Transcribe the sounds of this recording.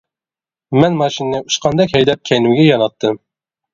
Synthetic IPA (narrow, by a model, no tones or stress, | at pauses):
mɛnmɑʃinnɨuʃqʰɑnd̪ɑkʲhɛjd̪ɛp̚kʲʰɛjnuɡʲɛjɑnɑt̪ʰːɨm